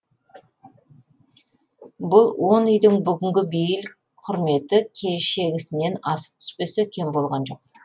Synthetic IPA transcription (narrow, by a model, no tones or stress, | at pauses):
bʊlˠwo̞nʏjd̪ɪŋbʏɡʲɪŋɡʲɪbejɪl | qʰʊɾme̞t̪ɪkʲʰe̞ʃe̞ɡʲɪsɪne̞nɑsə̥p̚t̪ʰʏ̥spe̞sɪkʲʰe̞mbo̞lˠʁɑnʒo̞q̚